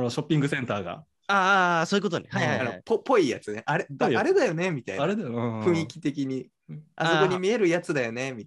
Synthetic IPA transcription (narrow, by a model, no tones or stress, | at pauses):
noɕo̞pʲːĩŋɡɯ̟sẽnt̪aːɡa̰ | aːsoːi̟ko̞t̪onehaihaianopopːo̞iːja̰t͡sɨneʔaɾeaɾe̞d̪ajo̞ne̞mʲit̪aḭaɾed̪aɸɯ̟̃ɰ̃ikʲi̥t̪e̞kʲiɲ̟i | a̰soko̞ɲ̟imʲie̞ɾɯ̟jat͡sɨd̪ajo̞ne̞mʲit̪